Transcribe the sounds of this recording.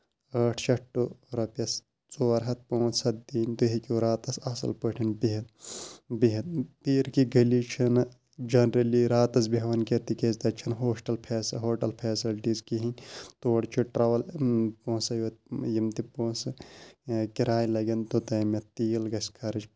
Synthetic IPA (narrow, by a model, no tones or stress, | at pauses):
ɐːʈʰt͡ʃɐʈːuɾɐpɐs | t͡soːɐɾɦɐt̪̚põːt͡ssɐt̪̚d̪iːnʲd̪uɦikiɾaːt̪ɐsɐsɐ̰lpəʈʰinbiɦɐd̪biɦɐd̪̚piːɾkiɡɐlit͡ʃʰin | d͡ʒɐnɾɐliɾaːt̪ɐsbiɦʋɐnket̪ikest̪ɐt͡ʃʰɐnɦoːsʈɐlpʰɛːsɐɦoːʈɐlpʰeːsilʈizkiɦinʲt̪oːɽt͡ʃʰiʈɾɐʋɐlpõːsɐjɐt̪jimt̪ipõːsɨ | kiɾaːjlɐɡɐnt̪ut̪ɐːmɐt̪iːlɡɐskʰɐɾɐd͡ʒ